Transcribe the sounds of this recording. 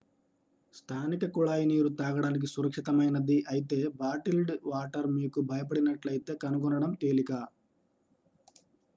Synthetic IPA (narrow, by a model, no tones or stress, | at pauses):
st̪ʰaːnikɐkuɭaːjiniːɾut̪aːɡɐɽaːnik̬isuɾɐkʂit̪ɐmɐjnɐd̪iʔɐjit̪e̞ːbaːʈilɖʋaːʈɐɾmiːkubʱɐjɐp̬ɐɽinɐʈlɐjit̪e̞ːkɐnuɡɔnɐɽɐmt̪eːlikaː